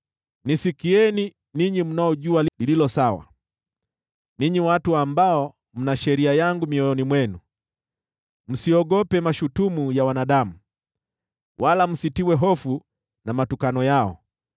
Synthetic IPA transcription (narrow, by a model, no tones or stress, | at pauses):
nisikiɛni | niɲim̩naɔʄualilililɔsawa̰ | niɲiwatuambaɔ | m̩naʃɛɾiajaŋɡumiɔjɔnimwɛnu | m̩siɔɠɔpɛmaʃutumujawanaɗamu | wʔalam̩sitiwɛɦɔfu | namatukanɔjaɔ̰